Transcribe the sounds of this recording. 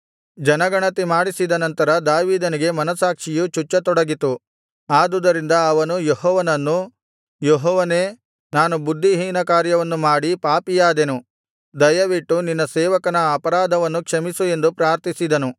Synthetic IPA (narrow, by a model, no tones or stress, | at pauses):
d͡ʒɐnɐɡɐɳɐt̪imaːɽisid̪ɐnɐnt̪ɐɾɐd̪aːʋiːd̪ɐniɡe̞mɐnɐsaːkʂijut͡ʃut͡ʃːɐt̪ɔɽɐɡit̪u | aːd̪ud̪ɐɾind̪ɐːʋɐnujoɦɔːʋɐnɐnːu | joɦɔːʋɐne̞ː | naːnubud̪ʱːiɦiːnɐkaːɾjɐʋɐnːumaːɽipaːpijaːd̪enu | d̪ɐjɐʋiʈːuninːɐsɛːʋɐkɐnɐːpɐɾaːd̪ʱɐʋɐnːukʂɐmisue̞nd̪upɾaːɾt̪isid̪ɐnu